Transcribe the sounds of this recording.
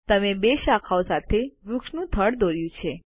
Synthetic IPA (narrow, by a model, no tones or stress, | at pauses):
t̪əmebeʃakʰaosat̪ʰeɾukʃnũt̪ʰəɽd̪oɾjũt͡ʃʰe